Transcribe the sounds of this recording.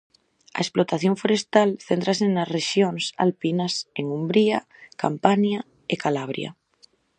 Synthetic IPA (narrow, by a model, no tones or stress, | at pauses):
ɐ̰esplot̪aθjoɱfoɾest̪alθent̪ɾasenasreʃjoŋsa̰lpinaseŋumbɾia | ka̰mpanja | ekalaβ̞ɾj̰a̰